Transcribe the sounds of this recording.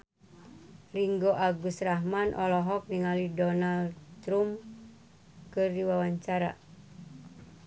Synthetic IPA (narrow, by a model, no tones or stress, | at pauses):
riŋɡoʔaɡust̪raɦmanʔɔ̰lɔɦɔk̚niŋalidɔnalt̪ɾum | kɨrdiwawaɲt͡ʃaɾa̰